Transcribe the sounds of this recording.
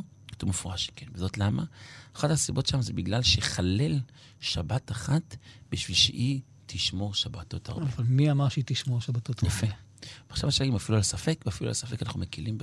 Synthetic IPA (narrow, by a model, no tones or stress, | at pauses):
kḁt̪umefuʁaʃe̥kenvezo̞tlama̰ːχataːsibo̞tʃeamzebiɡlalʃeχale̞l | ʃabataχatbiʃvilʃḛʔi | tʰiʃmo̞ʁʃabato̞ta̰ʁbvalmiamaʁʃit̪iʃmoʁʃabat̪ot̪jafe | veaʃavaʃelaimafilualasafe̞kveafilua̰lasafe̞kanaχnumekilimb